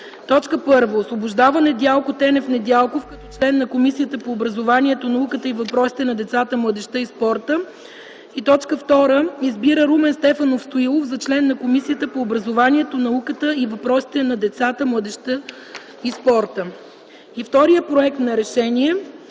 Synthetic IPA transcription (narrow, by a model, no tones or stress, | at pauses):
t̪ɔt͡ʃkəpɤɾvəosvobʊʒd̪avənɛd̪ʲjalˠkot̪ɛnɛfnɛd̪ʲjalˠkofkɐt̪ɔt͡ʃlɛnːɐkomisijət̪əpoːbɾɐzovaniɛt̪onɐukət̪əivɐpɾɔsi̥t̪ɛnɐd̪ɛt̪sat̪əmlˠɤd̪ɛʃt̪əispɔɾt̪ə | it̪ɔt͡ʃkəft̪ɔɾəizbiɾəɾumɛnst̪ɛfɐnofst̪oilˠofzɐt͡ʃlɛnːɐkomisijət̪əpoːbɾɐzovanʲiɛt̪onɐukət̪əivɐpɾɔsi̥t̪ɛnɐd̪ɛt̪sat̪əmlˠəd̪ɛʃt̪ə | ispɔɾt̪ə | ift̪ɔɾijəpɾoɛk̚t̪nɐɾɛʃɛnʲiɛ